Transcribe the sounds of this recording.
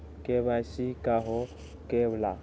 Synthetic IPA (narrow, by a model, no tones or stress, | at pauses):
kʼeβaʃikʼaɦɔ | kʼebla̰